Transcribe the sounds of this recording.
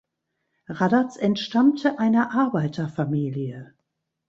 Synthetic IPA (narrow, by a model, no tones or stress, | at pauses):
ʁadat͡sɛntʃtamtʰəʔaɪnɐʔaɐbaɪtʰɐfamiːljə